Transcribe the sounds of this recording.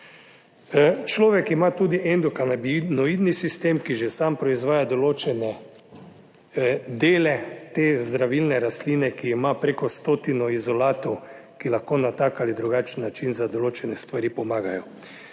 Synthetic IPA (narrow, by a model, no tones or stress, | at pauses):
t͡ʃlɔːʋɛkimat̪uːd̪iʔɛnd̪ɔkanabinɔid̪nisist̪emkiʒɛsampɾɔizʋaːjad̪ɔloːt͡ʃɛnɛ | d̪eːlɛt̪ezd̪ɾaʋilnɛɾast̪liːnɛkiːmapɾekɔst̪oːt̪inɔizɔlaːt̪ɔw | kilaxkoːnat̪akalid̪ɾuɡat͡ʃn̩ːat͡ʃinzad̪ɔloːt͡ʃɛnɛst̪ʋaɾipɔmaːɡajɔ